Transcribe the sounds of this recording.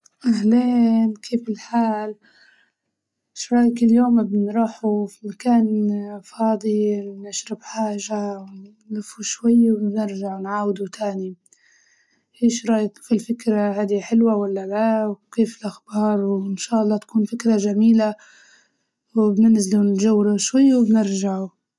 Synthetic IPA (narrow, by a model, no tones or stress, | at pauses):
ʔahleːnkʰeːfɪlħaːl | ʃɾˤɑːjkɪlːjoːmɪbɪnɾˤuːħufimakaːnfɑːd̪ˤinɪʃɾɪbħaːʒawn | lɪfuʃwajːwnɪɾʒaʕwnʕaːwɪd̪ut̪ʰaːni | ʔeːʃɾˤɑːjɪkfilfɪkɾˤahaːd̪iħɪlwawalːalawkeːfɪlʔaxbɑːɾˤwɪnʃaːʔɑlːɑːt̪ḁkuːnfɪkɾˤaʒamiːla | wɪbnɪnzɪlunʒawːɾuʃwajːwɪbnɪɾʒaʕu